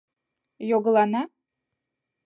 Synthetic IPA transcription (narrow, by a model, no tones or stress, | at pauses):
joɡɤ̆lˠɑnɑ